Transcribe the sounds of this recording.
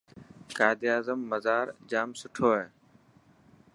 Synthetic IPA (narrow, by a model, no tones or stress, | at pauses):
kaːɪd̪iaːzəmːəzaːɾd͡ʒaːmsʊʈʰoːɦeː